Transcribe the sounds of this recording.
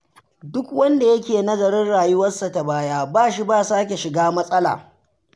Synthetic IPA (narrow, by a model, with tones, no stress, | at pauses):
dʊ˦kwɐ˦nda˨jɐ˦kʲeː˨nɐ˦zɐ˨ɾɪ˦nɽaː˨jʊ˦wɐ˦nsa˨ta˨baː˦jaː˦baː˦˨ʃi˦baː˦˨saː˦kʲe˨ʃɪ˨ɡaː˦mɐ˦sʼɐ˦la̰ː˨